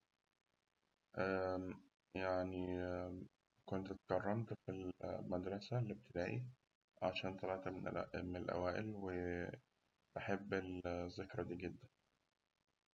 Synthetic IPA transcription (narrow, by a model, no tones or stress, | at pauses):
ʔæ | jaʕni | kont̪t̪kɑrˤːɑmt̪filmæd̪ɾˤɑsælːib̚t̪ɪd̪æːʔi | ʕaʃæːnt̪ˤɑlɑʕt̪mnelʔæ̰wæːʔḛlwe | b̪aħebːelzekɾˤɑd̪iːɡed̪ːæn